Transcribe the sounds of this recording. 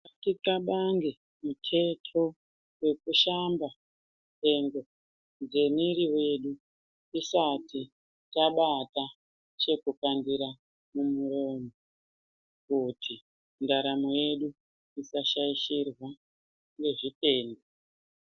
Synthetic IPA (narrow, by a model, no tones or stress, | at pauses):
atikaɓaŋɡe | mutʰe̞tʰo̞ | we̞kuʃamba | muutʰe̞ŋɡo̞ | nd͡ze̞miɾiwe̞ɗu | isati | taɓata | t͡ʃe̞kupandiɾa | mumuɾo̞ːmo | kutʰi | ndaɾamoje̞ɗu | isaʃaiʃirwa | ŋɡe̞ʐipe̞ːnde